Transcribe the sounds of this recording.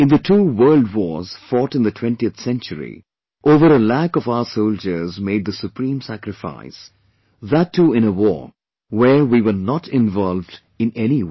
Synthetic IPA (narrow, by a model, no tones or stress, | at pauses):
ɨ̃nðətʰuːwɜ˞ldwɔz̥fɔtɨ̃nðətʰw̥ɛ̃ntiəθsɛ̃nt͡ʃəɾḭ | ʔoːvəɾəlækɔvaʊə˞soʊld͡ʒə˞zmeɪd̪̚ðəsupʰɾĩːmsækɾɨfa̰ɪs | ðətʰːuːɪ̃nəwɔ̰ɹ | wəɹwiwə˞nɔtɪ̃nvɔlvd | ɨ̃nɛni